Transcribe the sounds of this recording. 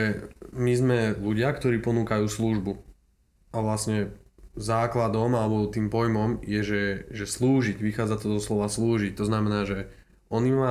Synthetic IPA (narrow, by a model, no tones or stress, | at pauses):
ɛmizmɛluɟɪakt̪ɔɾiːpɔnuːkajuːsluʒbu | aʋlasɲɛ | zaːklad̪ɔmalɛbɔt̪iːmpɔjmɔmjɛʒɛʒɛsluːʒiɟʋixaːd͡zat̪ɔd̪ɔslɔʋasluːʒic̚t̪ɔznamɛnaːʒɛ | ɔnima